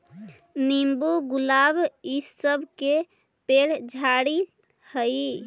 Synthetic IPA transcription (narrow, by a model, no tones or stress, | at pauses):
nimbuɡulabisəbʱke | peɽd͡ʒʱaɽi | həj